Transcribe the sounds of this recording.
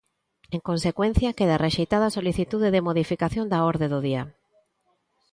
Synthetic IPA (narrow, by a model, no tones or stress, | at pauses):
eŋkonsekwen̟θjɐkeðarʔeʃejt̪aðasoliθit̪uðeðɪmoðifikaθjond̪aoɾðeðʊðiɐ